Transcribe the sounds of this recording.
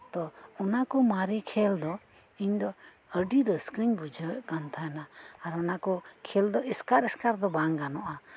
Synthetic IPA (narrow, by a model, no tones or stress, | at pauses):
t̪ɔɔnakɔmaɾikʰɛld̪ɔ | iɲd̪ɔ | əɖiɾəskɾiɲbud͡ʒʱəɛʔkant̪ʰaɛnaːɾɔnakɔkʰɛld̪ɔʔɛskaɾɛskaɾd̪ɔbaŋɡanɔʔa